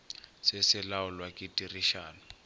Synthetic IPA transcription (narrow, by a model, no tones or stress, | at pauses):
sɛsɪlaɔlwakʼitʼiriʃaːnɔ